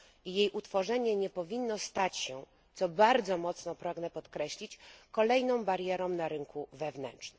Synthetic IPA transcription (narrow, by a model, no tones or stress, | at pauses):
ijejʔut̪fɔʐɛɲɛɲɛpɔvʲinːɔst̪at͡ɕɕɛ | t̪sɔbaɾd̪zɔmɔt̪snɔpɾaɡnɛpɔt̪kɾɛɕlʲit͡ɕkɔlɛjnɔ̃w̃baɾjɛɾɔ̃w̃naɾɘŋkʰuvɛvnɛnt͡ʂnɘm